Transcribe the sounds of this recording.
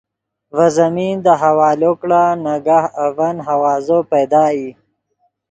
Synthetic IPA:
vazamind̪əɦawaːlokɽanaɡahavanɦawaːzopejd̪aːi

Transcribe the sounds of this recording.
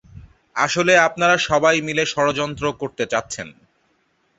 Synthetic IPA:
aʃoleap̚naɾaʃɔbajmileʃɔɾod͡ʑɔnt̪ɾokoɾt̪et͡ɕatːɕʰen

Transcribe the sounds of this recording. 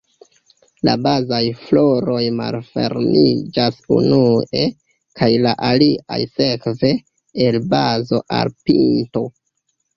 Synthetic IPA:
la̰bazajflo̞ɾo̞jma̰lfe̞̰ɾnid͡ʒasṵnue̞ | kʰajlaʔalia̰jse̞kve̞ː | lbazo̞ʔa̰lpḭnto̞

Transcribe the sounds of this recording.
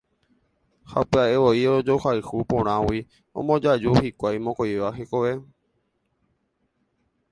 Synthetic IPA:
ha̰peaʔeʋoiod͡ʒohajhupõɾ̃ãwi | õ̰mõd͡ʒad͡ʒuhikʷajmõkojʋaɦekoʋe

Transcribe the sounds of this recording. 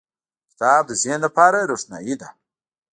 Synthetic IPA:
kɪ̥t̪ɑːb̚d̪əzenlapaɾaɾoʂna̰jid̪a

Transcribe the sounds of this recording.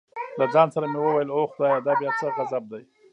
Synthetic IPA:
lad͡zɑnsaɾamewəwajəloxd̪ɑjad̪ɑbjɑt͡səɣazab̚d̪aj

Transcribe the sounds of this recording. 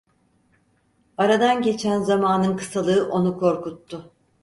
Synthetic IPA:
aɾad̪anɟe̞t͡ʃʰænzamaːnɯnkʰɯ̥salˠɯːʔo̞nukʰo̞ɾkut̪ːʊ

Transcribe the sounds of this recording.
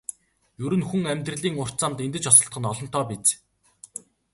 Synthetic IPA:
jɵɾɘ̆nxuŋæmʲt̪rɘ̆ɮiːŋʊr̥t͡saːmt̪ent̪ɘ̆t͡ɕɔsɞ̆ɬt̪̚ɢə̆nɔɮɞ̆nt̪ʰɔːpit͡s

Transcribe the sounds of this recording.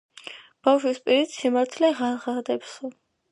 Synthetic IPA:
b̥afʃwispʼiɾit̪simaɾt̪ʰlɛʁaʁad̪ɛpsɔ

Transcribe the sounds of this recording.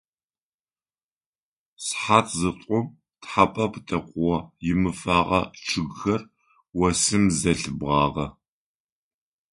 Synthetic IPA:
sħaːtʰzɨtʷʼʊm | tħapʼɐptʰɐqʷwɐjɪmɨfaːʁɐ̰ʈ͡ʂʰɨɡxɐr | wɐsɨmzɐɬɨbʁɑːʁɐ

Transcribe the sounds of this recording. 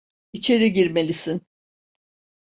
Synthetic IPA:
it͡ʃʰe̞ɾiɟiɾme̞lʲisin

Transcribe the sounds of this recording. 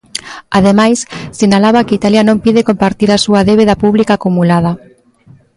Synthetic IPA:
að̞emajsːinalaβakeit̪aljanõmpiðekompaɾt̪iɾasuaðeβeðapuβlikaːkumulað̞ɐ

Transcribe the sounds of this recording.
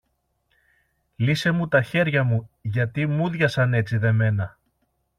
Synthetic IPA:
lise̞mut̪ɐçe̞ɾʝɐmuʝɐt̪imuðʝɐsɐne̞t͡siðe̞me̞nɐ

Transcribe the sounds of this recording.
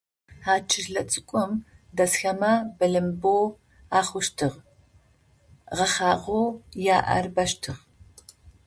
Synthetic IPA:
aːt͡ʃʰɪʒɮɐt͡sʼɨkʷʼɔmdɐsxɐmabɐɮɐmboː | aːχʷʊʃtʰɨʁ | ʁɐχaːʁoːjaːʔɐ̰rbɐʃtʰɨʁ

